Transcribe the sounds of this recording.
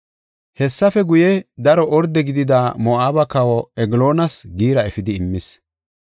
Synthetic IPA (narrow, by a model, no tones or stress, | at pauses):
hɛsːɐfɛɡʊjɛd̪ɐɾɔʔɔɾd̪ɛɡɪd̪ɪd̪aːmɔaːbɐkɐwɔɛɡlo̞ːnɐsɡiːɾɐɛfɪd̪ɪːmːɪs